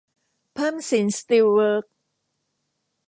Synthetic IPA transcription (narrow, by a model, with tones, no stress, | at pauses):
pʰa˥˩˨msi˩˦nst̪i˧wwəː˦˥k̚